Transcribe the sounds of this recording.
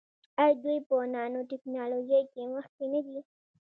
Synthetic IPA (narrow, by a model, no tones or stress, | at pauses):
ajd̪ujpənɑnoʈɪknɑlod͡ʒajkeməx̚kenad̪i